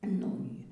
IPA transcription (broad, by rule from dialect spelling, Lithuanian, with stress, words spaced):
nʊ ˈiː